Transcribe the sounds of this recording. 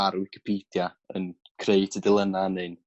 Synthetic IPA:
aɾwɪkʰɪ̥pʰiːd̥ja | ə̰nkʰreɨtʰədɪlˠənanɨn

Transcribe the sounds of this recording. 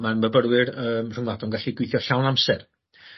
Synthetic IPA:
manməbəɾwɪrəːmr̥əŋladɔnɡaɬiɡwɪjθjɔɬawnamsɛr

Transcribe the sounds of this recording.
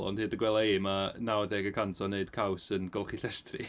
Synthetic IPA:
lɔ̰ndhɨdəɡwɛlˠaeːmanawədɛɡəkʰantʰɔneɨd̥kʰawsənɡɔlˠχiɬɛstʰri

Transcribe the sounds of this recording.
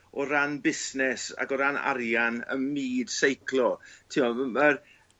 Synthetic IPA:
ɔɾanbɪsnɛsa̰ɡɔɾana̰ɾjanə̰nmiːd̥sejkʰlˠɔtʰɪɔmər

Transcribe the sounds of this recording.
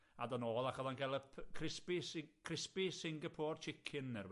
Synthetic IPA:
a̰dɔnoːlˠakʰɔðanɡʰɛlˠəpʰkʰrɪspiskʰrɪspisɪŋɡəpʰoːrt͡ʃʰɪkʰɪnɛrw

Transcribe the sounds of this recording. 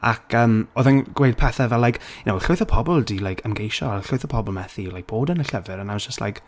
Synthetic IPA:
akʰəːmoðɛnɡ̥wejd̚pʰɛθavɛlːajknowɬʊɨθɔpʰɔbɔlˠdilajkʰəmɡejʃɔaɬʊɨθɔpʰɔbɔlˠmɛθilajk̚b̥oːdənəɬəvɨɾənad͡ʒəstla̰jk

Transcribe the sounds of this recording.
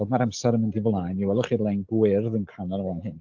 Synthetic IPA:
odmaɾamsɛɾəməndɪvlˠajniwɛlˠɔχiːrlˠejnɡwɪrðənkʰananəlaːnhɪn

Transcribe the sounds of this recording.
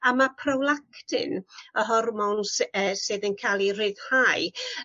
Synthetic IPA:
amapʰrɔwlˠakʰdɪ̰nəɦɔrmɔnsəsɨðənkʰaːlˠirɨðhaɨ

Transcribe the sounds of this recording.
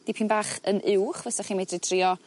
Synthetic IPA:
d̥ipʰinbaːχənʔɪwχvɛsaχiːmɛdrɪtʰriɔ

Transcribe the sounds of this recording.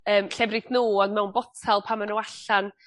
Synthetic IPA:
əːmɬɛbrɪθnuːɔndmɛwnbɔtʰalˠpʰamanowaɬan

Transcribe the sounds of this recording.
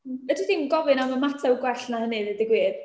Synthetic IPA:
ədiθinɡɔvɨnaməmatʰawɡwɛɬnahənɨðɨdɪɡwiːd̥

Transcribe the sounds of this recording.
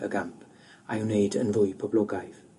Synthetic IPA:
ə̰ɡãmp | ajunejdə̰̃nvʊjpʰɔblɔɡajv

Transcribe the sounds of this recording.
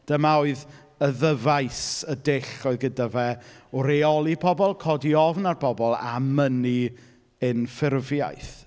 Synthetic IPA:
d̥əmaɔɨð | əðəvajsədɪɬɔɨðɡədavɛɔɾeɔlˠipʰɔbɔlˠkʰɔdiɔvnarpʰɔbɔlˠa̰məni | ɨnfɪrvja̰jθ

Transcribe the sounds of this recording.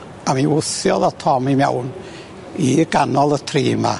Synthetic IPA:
amiwʊθjɔ̰ðɔtʰɔmimɛ̰wn | iɡanɔlˠətʰriːma̰

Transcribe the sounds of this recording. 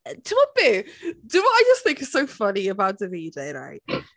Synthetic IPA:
dʰəwəb̥ɪd̥əwʌtaɪd͡ʒʌsθɪ̃ŋkɨz̥soʊfʌniəbaʊt̚ðɨvideɪɹa̰ɪt̚

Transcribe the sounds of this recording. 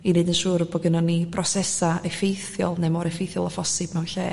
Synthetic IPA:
inedənʃuːɾɔbɔɡənɔnːibʰrɔsɛsaɛfejθjɔ̰lˠnemɔɾɛfejθjɔlˠɔfɔsɨbmɛwnɬḛː

